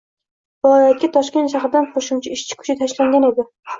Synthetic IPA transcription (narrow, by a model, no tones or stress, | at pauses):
valˠɒjat̪̚kʲat̪ʰɒʃkʲe̞nt̪ʃɑχɪd̪anqʰoʃɪmt͡ʃʰaɪʃt͡ʃʰɪ̥kʰʊ̥t͡ʃʰɪt̪ʰaʃlaŋɡʲaned̪ɪ